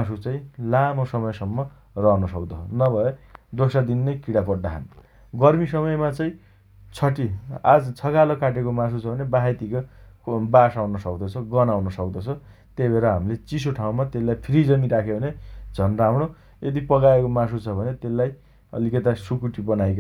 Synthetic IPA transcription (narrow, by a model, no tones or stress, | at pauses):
asut͡sãĩlamosʌmʌjsʌmːʌ | rʌnʌsʌkd̪ʌnʌbʱʌed̪osad̪inːʌjkiɽapʌɽd̪aɦa̰n | ɡʌrmisʌmʌjmat͡sãĩ | t͡sʰʌʈia̰d͡zt͡sʰʌkalokaʈ̬ekomãs̬ʰut͡sʰʌbʱʌnebaɦet̪ikobasawnʌsʌkd̪ʌt͡sʰʌɡʌnawnʌsʌkd̪ʌt͡sʰʌ | t̪ejbʱeɾʌɦamilet͡sisoʈʰaw̃mat̪elːajpʰiɾid͡zʌniɾakʰebʱʌned͡zʱʌnramɽo | ed̪ipʌɡaekomasut͡sʰʌbʱʌnet̪elːaj | ʌ̰likʌt̪asukuʈibʌnajk